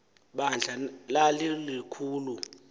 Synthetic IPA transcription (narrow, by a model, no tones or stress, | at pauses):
ɓand͡ɮʱalalilikʰuːlu